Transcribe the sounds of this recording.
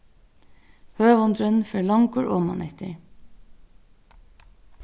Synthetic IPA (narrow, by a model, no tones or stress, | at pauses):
høːʋɔnd̪ɾœnn̩føːɭɑŋɡuːɹʔɔmɑ̰nʔɛt̪ə̰ɹ